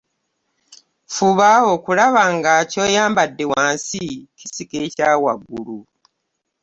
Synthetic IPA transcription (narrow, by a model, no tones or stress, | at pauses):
fuβao̞kulaβaŋɡaco̞ːjaːmbadːe̞waːnsicisikecaːwaɡulu